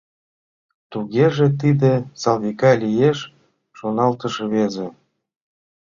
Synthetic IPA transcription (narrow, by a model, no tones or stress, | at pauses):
t̪uɣeʒĕt̪id̪ĕsɑlβikɑlʲijeʃː | onɑlt̪ə̆ʃɤβezĕ